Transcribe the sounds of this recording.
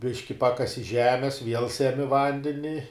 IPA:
ˈbʲɪʃʲkʲɪ ˈpɑːkɐsʲɪ ˈʒʲæːmʲɛs ʋʲiɛlˠ sʲɛˈmʲɪ ˈʋɐnʲdʲɛnʲɪ

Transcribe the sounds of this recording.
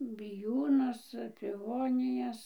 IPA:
bʲɪˈjuːnʊs pʲɪˈʋoːnʲɪjɛs

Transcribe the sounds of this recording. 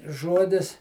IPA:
ˈʒuɔdʲɪs

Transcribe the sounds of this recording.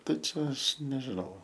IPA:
ˈtɐɪ t͡ʃʲɛ ˈɐʃ nʲɛʒʲɪˈnɐʊ

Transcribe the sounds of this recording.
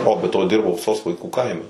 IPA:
ˈoː bʲɛ ˈtoː ˈdʲɪrbɐʊ soːs ʋɐɪˈkuː ˈkɐɪmʲɛ

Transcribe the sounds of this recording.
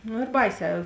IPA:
nʊ ɪr ˈbɐɪˌsʲɛː

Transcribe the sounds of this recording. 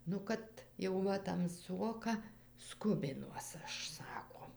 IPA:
nʊ ˈkɐt jɛʊ ˈʋɐ tɐmˈsuɔkɐ ˈskʊbʲɪnuɔs ˈɐʃ ˈsɑːkoː

